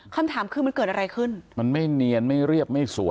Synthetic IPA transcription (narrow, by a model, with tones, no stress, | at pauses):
kʰa˧mt̪ʰaː˩˦mkʰɯː˧m˧nkɤː˨˩ʔa˧ɾa˧jkʰɯ˥˩nma˧nma˥˩jni˧ənma˥˩jɾi˥˩əp̚ma˥˩jsṵ˩˦